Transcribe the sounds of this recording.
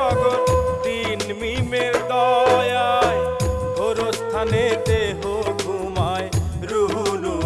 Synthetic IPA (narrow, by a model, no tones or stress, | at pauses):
aɡɔɾd̪inmimeɾd̪ɔjajɡʱoɾost̪ʰanet̪eɦoɡʱumajɾuɦunu